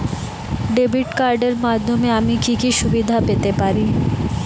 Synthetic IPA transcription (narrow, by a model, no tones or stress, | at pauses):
ɖebiʈkaɾɖeɾmad̪ʱːomeamikikiʃubid̪ʱapet̪epaɾi